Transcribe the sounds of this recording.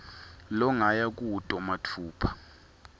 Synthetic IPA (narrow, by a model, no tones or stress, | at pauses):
lɔŋajak̬utʼɔmatʰuːpʰḁ